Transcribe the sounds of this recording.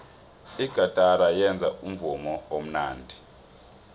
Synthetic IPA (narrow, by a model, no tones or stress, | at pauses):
iɡ̥ʱad̥ʱaɾajɛnd͡zʱaum̩vumɔom̩naːndʱi